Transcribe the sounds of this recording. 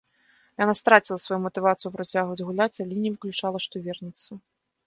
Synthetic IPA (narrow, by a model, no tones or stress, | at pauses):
janast̪ɾat͡sʲilˠɐsvajumɐt̪ɨvat̪sɨjupɾat͡sʲaɣvɐd͡zʲɣulʲat͡sʲalʲɛnʲɛvɨklʲut͡ʂalˠɐʂt̪ɔvʲɛrnʲɛt̪sːɐ